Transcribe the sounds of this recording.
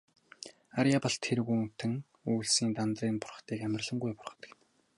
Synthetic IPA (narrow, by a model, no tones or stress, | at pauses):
aɾjaːpɔ̆ɬt̪ʰːeɾɣuŋt̪ʰɘ̆ŋ | uːɮsiːnt̪ant̪riːnpʊrχχt̪iːkæmʲɪ̆rɮə̆ŋɡujpʊrχɞ̆t̪ə̥̆kn